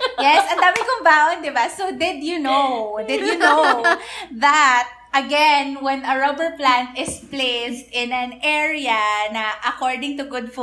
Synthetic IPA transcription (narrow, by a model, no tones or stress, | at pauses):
jɛsʔɐ̃nd̪aːmɪkʊmbaond̪ɪbasod̪ɪd̪junod̪ɪd̪juno | ðɐt̪̚ʔɐɡɛnwɛnɐɹobəɹplãnt̪ɪsplest̪ɪ̃nɐnʔɛɹiɐnɐʔɐkɔɹd̪ɪ̃ŋt̪ʊɡʊd̪f